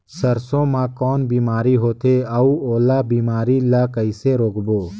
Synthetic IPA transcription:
sɐɾsõmãkɔːnbiːmaːɾiɦoːt̪ʰeɐuoːlabiːmaːɾilakəɪseɾoːkboː

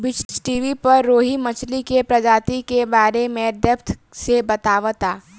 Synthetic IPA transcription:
bɪt͡ʃt͡ʃʈiːʋipɐɾːoːɦimɐt͡ʃʰlikepɾɐd͡ʒaːt̪ikebaːɾemẽd̪əpt̪ʰsebɐt̪aːʋt̪aː

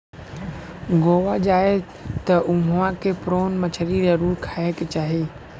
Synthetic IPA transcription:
ɡoːʋad͡ʒaːɪ | t̪ɐʔʊɦãkʰepɾoːnmɐt͡ʃʰəɾizɐɾuːɾkʰaːeket͡ɕaːɦeː

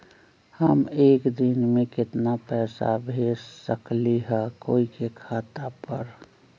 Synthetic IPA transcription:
həmeːkd̪ɪnmẽkɪt̪napɛːsa̰bʱeːssəkliɦɛkoːikekʰaːt̪apəɾ

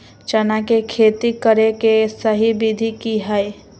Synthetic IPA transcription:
t͡ʃənakekʰeːt̪ikəɾekesəɦibid̪ʱikiɦəe

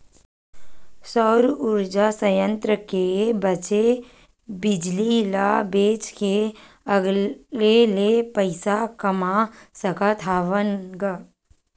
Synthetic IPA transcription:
sɔːɾʊɾd͡ʒasəjə̃nt̪ɾəkebət͡ʃe | bɪd͡ʒlilabeːt͡ʃke | əɡlelepəɪsakəmasəkat̪ʰaːʋənɡaː

